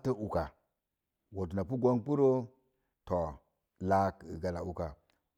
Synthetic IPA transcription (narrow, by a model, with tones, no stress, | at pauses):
tə˦u˨ka˨ | wo˨t̬u˨na˨pu˦ɡʷo˦ŋpu˦ɾo˦ | to˨ | la˦ki˨ɡa˨la˨u˨ka˨